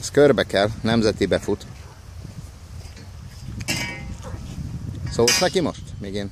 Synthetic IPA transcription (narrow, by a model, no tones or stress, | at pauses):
skørbɛkɛlnɛmzɛt̪ibɛfut̪ | soːlsnɛkimo̞ʃt̪miːɡeːn